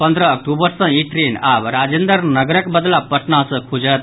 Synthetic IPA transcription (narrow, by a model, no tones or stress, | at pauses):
pənd̪ɾəːk̚ʈubəɾsə̃iʈɾeːnaːʋɾaːd͡ʒẽnd̪əɾnɐɡɾəkbəd̪lapɐʈnãsɐkʰud͡ʒət̪̚